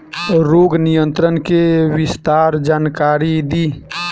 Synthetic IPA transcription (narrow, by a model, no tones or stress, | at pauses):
ɾoɡnijənt̪ɾənkewist̪aɾd͡ʒaːnkaɾid̪i